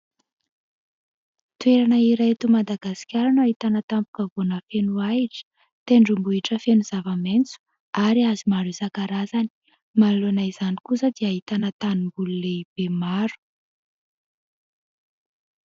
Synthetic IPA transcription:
t̪ueɾanəiɾet̪umad̪aɡasi̥kʲaɾanuaɦit̪anət̪ampu̥kəvonəfenuaiʈ͡ʂə̥ | t̪eɳɖ͡ʐumbuiʈ͡ʂəfenuzavament͡su̥ | aɾiazimaɾisakaɾazani̥ | maluanaizanikusəd̪iaɦit̪anət̪animbululeib̥emaɾu̥

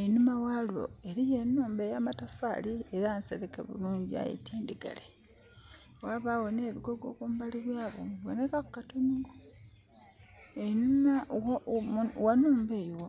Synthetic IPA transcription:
enumawalo̰eɾijenːuːmbejaːmatafalieɾanseɾekḛβṵluːɲɟia̰jḛteːndiɡa̰le | waβaːwone̞ːβiɡo̞ɡo̞̰kumubaliβjaːβo̞̰muβone̞kakkːatoniŋɡo | enuma | wanuːmbejwo

